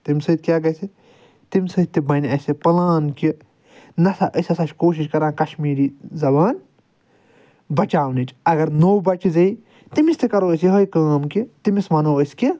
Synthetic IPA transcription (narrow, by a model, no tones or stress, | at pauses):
t̪imʲsɨt̪̚ʲkʲjaːɡɐsi | t̪imʲsɨt̪t̪ːibɐnʲɐsʲipɐlaːnki | nɐsaʔəsʲɐsɐʃkoːʃ̬iʃkɐɾãːkɐʃmiːɾizɐbaːn | bɐt͡ʃaːwnit͡ʃʰɐɡɐɾnoːwbɐt͡ʃzɐj | t̪imist̪ʰikɐɾoːs̬iɦojkaːmkit̪imismɐnoːəsʲki